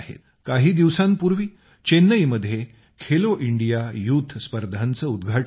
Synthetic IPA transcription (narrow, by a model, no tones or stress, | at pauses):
ɦḛt̪ | kaɦiːd̪iʋsãmpuɾʋiː | t͡ɕenːəjməd̪ʱːje | kʰeloʔiɳɖijajut̪ʰspəɾd̪ʱant͡səːud̪ɡʱaʈ